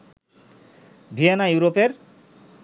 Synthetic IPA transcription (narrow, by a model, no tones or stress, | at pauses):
bʱienajuwɾopeɾ